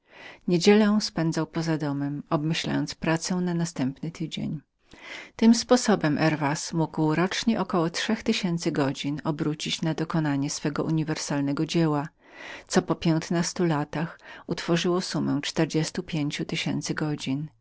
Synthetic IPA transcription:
ɲed͡ʑɛlɛ̃spɛnd̪zawpɔzad̪ɔmɛmɔbmɘɕla̰jɔnt̪spɾat̪sɛ̃w̃nanast̪ɛmpnɘt̪ʰɘd͡ʑḛɲ | t̪ɘmspɔsɔbɛmʔɛɾvasmuɡwɾɔt͡ʂɲɛʔɔkɔwɔtʂɛxt̪ɘɕɛnt̪sɘɡɔd͡ʑinɔbɾut͡ɕit͡ɕnad̪ɔkɔnaɲɛsfɛɡɔ̰ʔuɲivɛɾsalnɛɡɔd͡ʑɛwa | t̪sɔpɔpʲjɛnt̪nast̪ulat̪axut̪fɔʐɘwɔsumɛw̃t͡ʂt̪ɛɾd͡ʑɛst̪upʲjeɲt͡ɕut̪ɘɕɛ̰nt̪sɘɡɔd͡ʑin

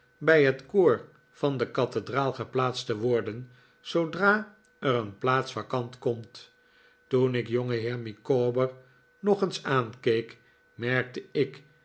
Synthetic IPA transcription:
bɛjɦətkoːɹ | v̥ɑndəkɑtədraːlˠχəplaːtstəʋɔɹdən | sowdraː | əɾənplaːtsfakɑntkɔmt | tunɪkjoŋəɦɪːɹmikoːbəɹ | nɔχənsaːnkejk | mɛɹk̚təɪk

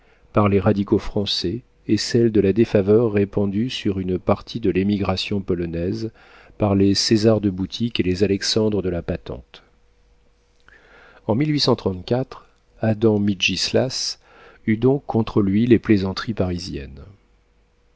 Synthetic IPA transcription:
paʁleʁad̪ikofχɑ̃sɛː | sɛld̪əlad̪efavœʁːepɑ̃d̪ysyʁynpaʁt̪ʰid̪əlemiɡʁasjɔ̃pɔlɔnɛz | paʁlesezaʁd̪əbut̪ʰikelezalɛksɑ̃d̪ʁəd̪əlapat̪ɑ̰̃t̪ | ɑ̃milɥisɑ̃t̪χɑ̃t̪kʲat̪χ | ad̪ɑ̃midʒislas | yd̪ɔ̃kʰːɔ̃t̪χəlɥileplezɑ̃t̪χipaʁizjɛ̰n

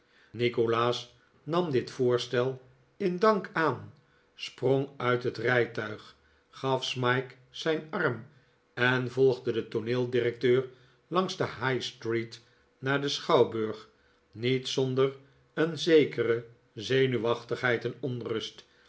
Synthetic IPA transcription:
nikolaːs | nɑmdɪtfʊːɹstɛlˠ | ɪndɑŋkaːn | sproŋœɥtɦətrɛjtœɥχ | χɑfsmɑjk | sɛjnɑɹm | ɛnvɔlˠχdədətonɪːlˠdirɛk̚tøːɹ | lɑŋzdəɦajstrit | naːɹdəsχɑwbɵɹχ | nitsɔndər | ənzejkərə | zejnyʋɑχtəχɦɛjtɛnɔnrɵst

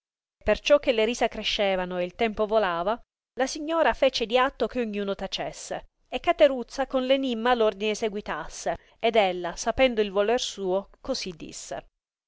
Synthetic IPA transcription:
pːert͡ʃɔkːelːeɾiːsakɾeʃːeːvanoeilt̪ɛmpovolaːva | lasiɲːoːɾafet͡ʃed̪iat̪ːok̟eoɲːuːnot̪at͡ʃesːḛ | ekːat̪eɾut̪sːakonlenimːalord̪ineseɡwit̪asːe | ed̪elːasapɛnd̪oilvolɛrsuːokozid̪ːḭsːḛ

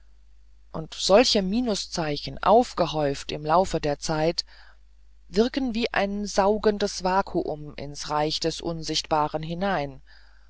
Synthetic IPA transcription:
ʔʊntz̥ɔlçəmiːnʊst͡saɪçn̩ʔa̰ʊfɡ̥əɦɔʏftɪmlaʊfədeːɐt͡saɪt | vɪɐkn̩viːʔa̰ɪnzaʊɡəndəsv̥aːkʰuʔʊmɪ̰nsʁaɪçd̥ɛsʔʊnzɪçtb̥aːʁ̞ənɦɪnaɪn

